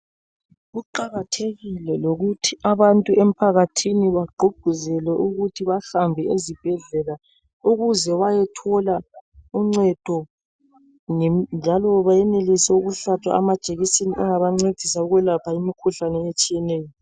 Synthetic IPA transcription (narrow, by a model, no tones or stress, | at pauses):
ɣuǃaɣatʰeɣilɛloɣutʰiʔaβantʼuʔem̩pʰaɣatʰiniβaɡ͡ǃʱuɡ̥ʱuzɛlɛʔuɣutʰiβaɬambʱɛezib̥ʱɛɮɛla | uɣuzɛβajɛtʰɔlauŋ͡ǀɛd̥ʱɔ | ŋɛnd͡ʒʱalɔβajɛnelisɛuɣuɬat͡ʃʰwa̰amad̥ʒ̥ʱʼeɣiseniʔɛŋaβaŋ͡ǀed̥ʱisauɣwɛlapʰaimikʰuɬanɛet͡ʃʼijɛnɛːjɔ